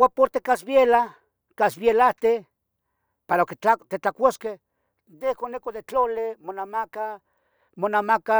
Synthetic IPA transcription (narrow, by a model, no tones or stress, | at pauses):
wapoɾt̪ekasbjela | kasβjelaht̪e | paɾaokeat̪et͡ɬakʷoskeh | nehkonekod̪et͡ɬolemonamaka | monamaka